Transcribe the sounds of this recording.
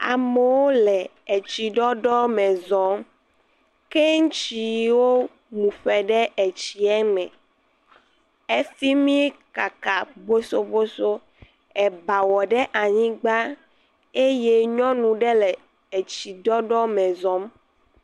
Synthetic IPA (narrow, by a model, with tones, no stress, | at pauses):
a̰˨me˨wo˦lɛ˨e˨t͡ɕi˨ɖɔ˦ɖɔ˦mɛ̃˨zɔ̃˨˦m | ke˦ŋ̩˦t͡ʃi˨wo˦ | mũ˨ɸɛ˨ɖɛ˦ʔe˨t͡ɕi˨ɛ˦mɛ̰̃˨ | e˦si˦mĩ˦ka˨ka˨bo˦so˦bo˦so˦ | ɛ˨ba˨wɔ˨ɖɛ˦ʔa˨ɲĩ˦ɡ͡ba˦ | e˦je˦ɲɔ̃˦nũ˨ɖɛ˦lɛ˨ | e˨t͡ɕi˨ɖɔ˦ɖɔ˦mɛ̃˨zɔ̃˦m